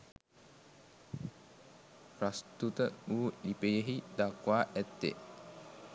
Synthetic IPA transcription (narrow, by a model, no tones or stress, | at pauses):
rast̪ut̪əuːlipəjəɦid̪akʋaːʔɛt̪ːḛ